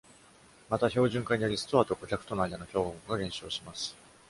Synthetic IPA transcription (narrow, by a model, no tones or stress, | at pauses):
mat̪aço̞ːʑɨ̃ŋkaiɲ̟ijo̞ɾʲisɨ̥t̪o̞aːt̪o̞ko̞kʲakɯ̟̥t̪o̞noaid̪ano̞çʲo̞ːhookɯɡaɡẽ̞ɕo̞ːɕimasɨ̥